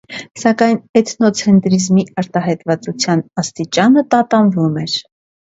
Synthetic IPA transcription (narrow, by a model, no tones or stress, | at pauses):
sɑkɑjnɛt̪nɔt͡sʰɛnt̪ɾizmiɑɾt̪ɑɦɑjt̪vɑt͡sut͡sʰjɑnɑst̪it͡ʃɑnət̪ɑt̪ɑnvumɛɾ